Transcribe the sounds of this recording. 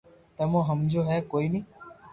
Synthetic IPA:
t̪əmõːɦəmd͡ʒoːɦɛːkoːiːnĩː

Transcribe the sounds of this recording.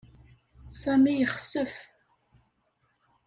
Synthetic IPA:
sæmijəχəsəf

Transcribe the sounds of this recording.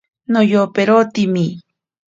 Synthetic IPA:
nojopeɾot̪imi

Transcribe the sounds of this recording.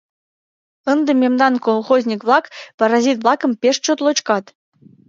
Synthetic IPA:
ɤ̆nd̪ɤ̆mʲemd̪ɑnkolˠχozʲnʲikβlˠɑkpɑɾɑzʲit̪vlˠɑkɤ̆mpʲeʂt͡ɕot̪lˠot͡ɕkɑt̪

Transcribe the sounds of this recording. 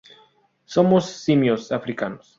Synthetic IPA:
somosːimjosafɾikanos

